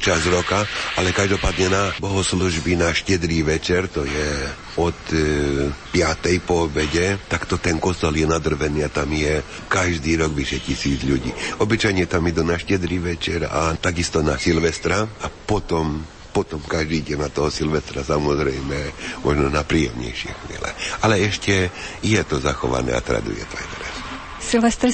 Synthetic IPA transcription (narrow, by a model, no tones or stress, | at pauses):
t͡ʃazɾɔkaalɛkaʒd̪ɔpaːd̪ɲɛnabɔɦɔsluʒbinaʃcɛd̪ɾiːʋɛt͡ʃɛɾt̪ɔjɛ | ɔt̪ | pɪat̪ɛjpɔːbɛɟɛt̪akt̪ɔt̪ɛnkɔst̪ɔljɛnad̪r̩ʋɛniːat̪amjɛ | kaʒd̪iːɾɔɡʋiʃɛjcisiːd͡zʎuɟḭːɔbit͡ʃajɲɛt̪amjɛd̪unaʃcɛd̪ɾiʋɛt͡ʃɛɾa̰t̪aɡist̪ɔnasilʋɛst̪ɾaapɔt̪ɔm | pɔt̪ɔmkaʒd̪iːɟɛnat̪ɔɦɔsilʋɛst̪ɾasamɔzɾɛjmɛmɔʒnɔnapɾiːjɛ̰mɲɛ̰jʃɪɛ̰xʋiɛ̰lɛ̰alɛɛʃcɛjɛt̪ɔzaxɔʋa̰nɛ̰ːa̰t̪ɾa̰d̪ṵjɛ̰t̪ɔajt̪ɛɾɛs | silʋɛst̪ɾ